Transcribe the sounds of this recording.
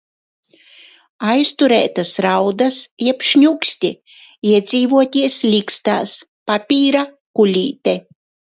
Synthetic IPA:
ajst̪uɾɛ̰ːt̪asɾawd̪asiɛpʲʃɲʲuksʲt̪ʲi | iɛd̪zʲiːvuɔt̪ʲiɛslʲikst̪aːs | papʲiːɾa | kulʲiːt̪ʲɛ

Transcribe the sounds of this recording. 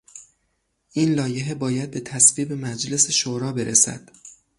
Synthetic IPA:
ʔiːnlɒːjeɦe̞bɒːjæd̪̚be̞t̪ʰæsviːbemæd͡ʒle̞seʃoːɾɒːbe̞ɾʔesæ̰d̪̥

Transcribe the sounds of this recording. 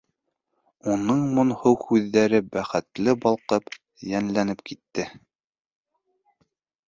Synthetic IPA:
unɤɴmŏnhɤwhʉðːæɾɘbæχɘ̆t̪lɘbɑlˠqɤp | jænlænɘpkit̪ːɘ

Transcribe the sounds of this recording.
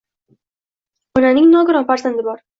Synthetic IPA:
ʊnanɪŋnɒɡʊɾɒnfaɾzand̪ɪbɒɾ

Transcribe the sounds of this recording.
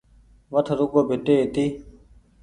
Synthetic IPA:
ʋət̪ʰɾʊkoːbʱɪʈ̪eːɦɪt̪iː

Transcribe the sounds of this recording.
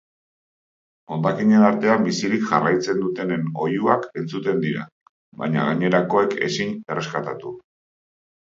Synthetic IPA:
o̞nd̪akiɲe̞naɾt̪e̞ambisiɾikʝarajt͡se̞nd̪ut̪e̞neno̞juake̞nt͡sut̪e̞nd̪iɾa̰ | βa̰jɲa̰ɣ̞aɲe̞ɾako̞e̞ke̞̰siɲe̞re̞skat̪at̪u

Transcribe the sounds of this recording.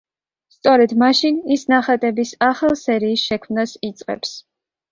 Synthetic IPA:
st̪sʼɔɾɛd̪maʃinisnaχat̪ʼɛbisaχalˠsɛɾiːsʃɛkʰmnasit̪sʼqʼɛ̰ps

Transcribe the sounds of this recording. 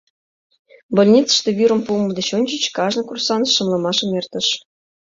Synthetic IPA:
bolʲnʲit͡sə̥̆ʃt̪ɤ̆βʲyɾə̆mpumɤd̪ə̆ɕonʲt͡ɕə̆t͡ɕkɑʐnɤ̆kursɑn̆ʃːɤ̆mlˠɤ̆mɑʃɤ̆mert̪ə̆ʃ

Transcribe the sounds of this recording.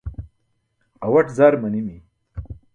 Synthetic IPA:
ɐwɐʈzaːɾmɐnimi

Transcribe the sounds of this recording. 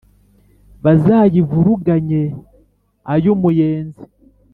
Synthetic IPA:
βazaːjivuɾuɡaɲe | ajomujeːnzi

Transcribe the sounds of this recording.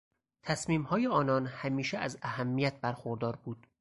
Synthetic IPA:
t̪ʰæsmiːmhɒːjeɒːnɒːnhæmiːʃeʔæzæhæmːijæt̪̚bæɾxoɾd̪ɒːɾbuːd̪̥

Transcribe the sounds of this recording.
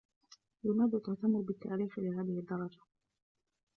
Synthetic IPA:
jʊnad̪ʊt̪ːaʔt̪amːʊɾbɪt̪ːa̰ʔɾiːxlɪɦaːðɪhɪd̪ːɑɾˤɑd͡ʒa

